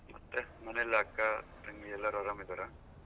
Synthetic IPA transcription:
mɐt̪ːemɐnelaːkːat̪ɐŋɡiɛlːɐɾoaɾamid̪ɐɾa

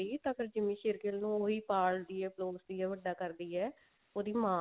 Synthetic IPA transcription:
iːt̪ãːpʰɪɾd͡ʒɪmĩːʃɪɾkɪlnũːoːɦiːpaːld̪iːɛːploːsd̪iːɛːʋəɖːaːkəɾd̪iːɛː | oːd̪iːmãː

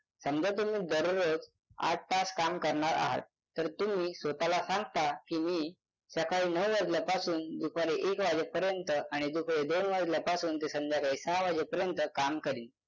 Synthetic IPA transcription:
səmd͡ʑat̪̬um̤iːd̪əɾuɾət͡s | a̰ʈ̚ʰʈaskamkəɾɳaɾa̰ɦa̰t̪̚ːəɾt̪um̤iːsʋət̪alasãŋɡt̪akiːmiː | sakaɭiːnəwʋəɾd͡ʑlapasuːnd̪ukʰaɾeʔekʋad͡ʑepəɾjənt̪əaɽ̃id̪ukʰaɭed̪onʋəɾd͡ʑlapasuːnt̪esəmd͡ʑjakaiːsaʋad͡ʑepəɾjənt̪əkamkəɾiːn

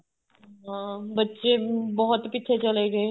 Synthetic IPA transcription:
ɦãːbətːʃeːbɔɦʊt̪pɪtːt͡ʃʰet͡ʃəleːɡeː

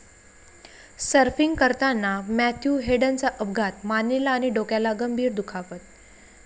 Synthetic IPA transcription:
səɾfiŋɡkəɾt̪anːamæt̪ʰjuɦeɽənt͡saʔəb̚ɡʱat̪manːelaːñiɖokjalaɡəmbʱiːɾd̪ukʰaʋət̪̚

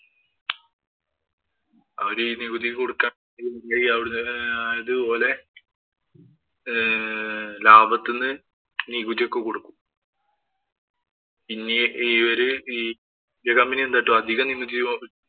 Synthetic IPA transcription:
ɐʋɐɾiniɣuðiko̞ɽukːaːm | nikːumunaːjiɐʋiɽɐðɨpo̞ːle̞ | laːbɐt̪ːenːɨ | niɣud̪ijokːe̞koɽukːum | pinːeiːʋɐɾɨi | ndekɐmbiniend̪aːʈːoɐd̪ʱiɣɐnimud͡ʑi

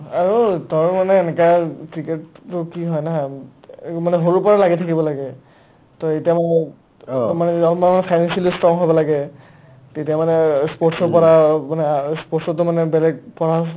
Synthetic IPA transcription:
aɹutɔɹmanɛːnɛkakɹikettʊkiɦɔjna | manɛɦoɹupɔɹalaɡitʰakibɔlaɡɛ | tɔetijamɔ | manɛɔmanɛmanɛpʰajnansalistɔŋɦɔjbɔlaɡɛ | tetijamanɛspotsɔɹpɔɹamanɛspɔtsɔtʊmanɛbɛlɛɡ̚pɔɹa

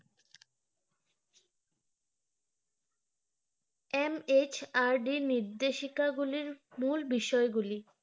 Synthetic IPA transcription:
emet͡ɕaɾɖiniɾd̪eʃikaɡuliɾmulbiʃɔeɡuli

